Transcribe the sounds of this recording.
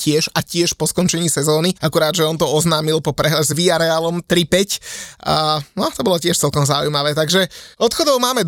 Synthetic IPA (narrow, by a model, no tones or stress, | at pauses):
cɪɛʒacɪɛʃpɔskɔnt͡ʃɛɲiːsɛzɔːniakuɾaːd̪ʒɛɔnt̪ɔɔznaːmilpɔpɾɛɦɛzʋiaɾɛalɔmt̪ɾipɛcː | nɔt̪ɔbɔlɔcɪɛʃt͡sɛlkɔmzaujmaʋɛːt̪aɡʒɛɔt̪xɔd̪ɔʊmaːmɛd̪